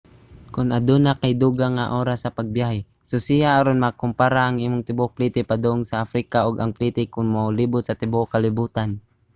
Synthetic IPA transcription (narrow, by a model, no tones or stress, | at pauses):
kʊnʔad̪unakajd̪uɡaŋːaʔoːɾasːɐpaɡ̚bjahɛ | sosijaʔaɾonmakʊmpaɾaʔaŋʔiːmʊŋt̪ɪbopliːt̪ɪpad̪oʔʊŋsaʔafɾikaʔoɡaŋpliːt̪ɪkʊŋmoliːbʊt̪̚sɐt̪ɪboʔkalɪbuːt̪an